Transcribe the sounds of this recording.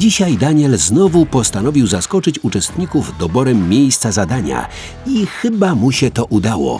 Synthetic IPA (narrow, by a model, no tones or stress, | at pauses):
d͡ʑiɕajd̪aɲɛlznɔvupɔst̪anɔvʲiwzaskɔt͡ʂɘt͡ɕut͡ʂɛst̪ɲikuvd̪ɔbɔɾɛmːʲejst̪sazad̪aɲa̰ | ixɘbamuɕɛt̪ɔʔud̪awɔ̰